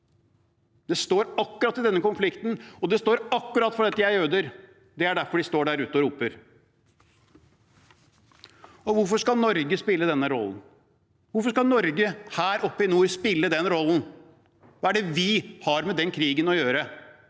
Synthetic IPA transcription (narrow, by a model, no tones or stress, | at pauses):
d̪ɛst̪oːɾɑkːʉɾɑt̪ːɪd̪ɛnːəkʊnflɪkt̪n̩ɔd̪ɛst̪oːɾɑkːʉɾɑt̪ːfɔɖ̪ɛt̪ːəjæɪøːd̪əɾ | d̪ɛæɖæɾfɔɖɪst̪oːɖæɾʉːt̪ːɔɾuːpəɾ | ɔʋʊɾfɔʂkɑnɔɾɡəspɪlːəd̪ɛnːəɾɔ̰lːn̩ | ʋʊɾfɔʂkɑnɔɾɡəhæːɾɔpːɪnuːspɪlːəd̪ɛnɾɔlːn̩ | ʋɑːæɖɛʋɪhɑɾmɛd̪ɛnkʰɾiːɡənɔjøːɾə